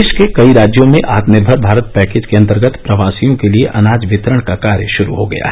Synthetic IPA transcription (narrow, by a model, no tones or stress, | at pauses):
ɪʃkekɐiɾaːd͡ʒjõmẽʔaːt̪nɪɾbʱəɾbʱaːɾət̪̚pɛːkeːd͡ʒkeɐ̃nt̪əɾɡət̪pɾɐʋaːsijõkelieʔɐnaːd͡ʒʋɪt̪ɾəɽ̃kakaːɾjəʃʊɾṵɦoɡɐja̰ɦɛ